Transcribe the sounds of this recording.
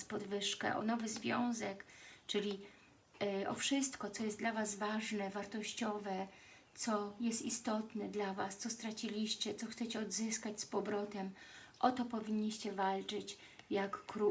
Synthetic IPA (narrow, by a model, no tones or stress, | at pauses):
spɔd̪vɘʂkɛ̰ʔɔ̰nɔvɘzvʲjɔ̃w̃zɛkt͡ʂɘlʲi | ʔɔfʂɘst̪kɔt̪sɔjɛst̪d̪lavazvaʐnɛvaɾt̪ɔɕt͡ɕɔvɛ | t̪sɔjɛst̪ist̪ɔt̪nɛd̪lavast̪sɔst̪ɾat͡ɕilʲiɕt͡ɕɛt̪sɔxt̪sɛt͡ɕɛɔd̪zɘskat͡ɕspɔbɾɔt̪ɛm | ʔɔt̪ɔpɔvʲiɲːiɕt͡ɕɛvalt͡ʂɘt͡ɕ | jakːɾu